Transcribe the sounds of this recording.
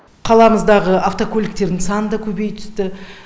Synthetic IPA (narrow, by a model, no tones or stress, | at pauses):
qʰɑlˠɑməzd̪ɑʁəaft̪o̞kʰolʲːik̚t̪e̞ɾd̪ɪŋsɑnənd̪ɑkʲʰɵbe̞jt̪ʰʏ̥st̪ɪ